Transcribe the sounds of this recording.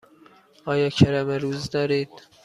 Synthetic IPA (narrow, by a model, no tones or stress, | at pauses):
ɒːjɒːkʰæɾæmæɾuːzd̪ɒɾiːd̪̥